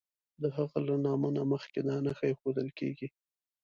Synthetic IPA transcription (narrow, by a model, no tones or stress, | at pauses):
d̪əɦaɣalanɑmənaməxked̪ɑnaxajexod̪əlkḛɡi